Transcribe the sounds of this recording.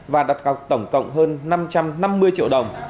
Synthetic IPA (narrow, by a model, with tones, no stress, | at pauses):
vaː˨˩ɗa˨˩t̚ɣa˨˩wk͡p̚t̪ə˧˩wŋ͡mkə̰˧˨wŋ͡mɦəː˧nːa˧mt͡ɕa˧mna˧mːɨ˧əjt͡ɕḭ˧əwɗə˨˩wŋ͡m